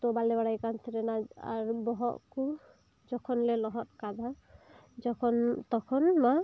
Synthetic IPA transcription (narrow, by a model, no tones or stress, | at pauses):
t̪ɔbalɛbaɽajkant̪ʰiɾɛnaa̰ɾbɔɦɔʔku | d͡ʒɔkʰɔnlɛlɔɦɔt̪̚kad̪ʱa | d͡ʒɔkʰɔnt̪ɔkʰɔnma